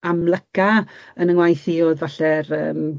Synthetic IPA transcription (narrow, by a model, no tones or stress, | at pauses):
amlˠəkaənəŋwajθiɔðvaɬɛrə̰ːm